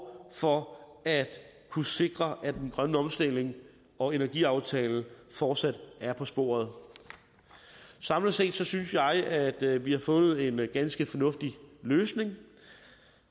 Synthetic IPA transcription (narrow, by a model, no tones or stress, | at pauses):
fɒ̽æd̥ | kʰuse̝ɡ̥ʁɐʔæd̥enɡ̥ʁɶnəɒ̽msd̥e̝l̰e̝ŋ | ɒ̽e̝næɐɡ̥ḭɑ̈ʊt͡sʰɛ̰ːln̩fɒːd̥sæd̥æɐpʰɒ̽sb̥o̝̰ːɐð̞̩ˠ | sɑ̈mlɐse̝̰ːd̥sɒ̽synsjɑ̈ɪæd̥ʋihɑ̈fɔ̽nð̞̩ˠe̝nɡ̥ænsɡ̥əfɒ̽nɔ̽fd̥iløːsne̝ŋ